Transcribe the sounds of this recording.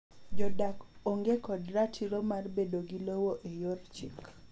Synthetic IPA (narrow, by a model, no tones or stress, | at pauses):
d͡ʒɔdakoŋɡekɔdratʰiɾomarbedoɡilowoʔejort͡ʃik